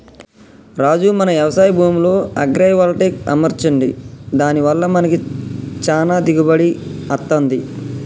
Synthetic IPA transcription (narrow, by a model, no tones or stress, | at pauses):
ɾaːd͡ʒumɐnɐʋjɐʋɐsaːjɐbʱuːmlo̞ːɐ̰ɡɾɐjɐʋɐːlʈeːkɐ̰mɐɾt͡ʃɐɳɖid̪aːniʋɐlːɐmɐnɐkit͡ʃaːnaːd̪iɡɐbɐɽiɐt̪ːɐnd̪i